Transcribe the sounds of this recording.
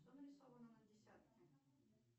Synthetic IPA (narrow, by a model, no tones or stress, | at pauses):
t̪ənəɾʲɪsovənənədʲɪsʲat̪̚kʲɪ